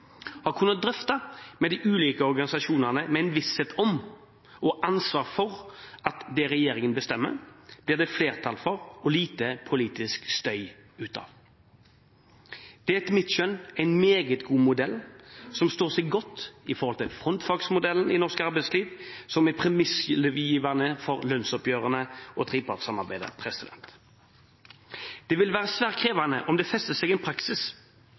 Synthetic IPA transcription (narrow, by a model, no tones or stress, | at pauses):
hɑʁkʰʉnːət̪̚d̪ɾʏft̪ɑmɛd̪ɪʔʉːliːkəɔɾɡɑnɪsɑʃuːnəʁnəmɛɛɪnʋɪsɛt̪ʰɔm | ɔʔɑnsʋɑːʁfɔɾʔɑt̪d̪ɛɾɛjeːɾɪŋənbəst̪ɛmːə̰b̥lɪːd̪ɛfleːʁt̪ʰɑlfɔɾɔliːt̪əpʰʊliːt̪ɪskst̪œʏ | ʉːt̪ʰɑ̰ːʋ | d̪̥ɛæɛt̪mɪt̪ʃœnæɪnmeːɡət̪ɡuːmʊd̪ɛlːsɔmst̪oːʁsɛɡɡɔt̪ːɪfɔʁhɔlt̪ɪlfʁɔnt̪fɑɡsmʊd̪ɛlːənɪnɔʁskɑʁbæɪt̪sliːʋsɔmæpʰʁɛmɪsləʋjiːʋɑnəfɔʁlœnsɔpjøːʁənəɔt̪ʰʁiːpʰɑʁt̪sɑmɑʁbæɪd̪ə̰pʰʁɛsɪd̪ɛ̰nt̪ | d̪̥ɛʋɪlʋæːʁəsʋæːʁkʰʁeːʋɑnə̰ʔɔmd̪ɛfɛst̪əsɛɡɛnpʰɾɑksɪs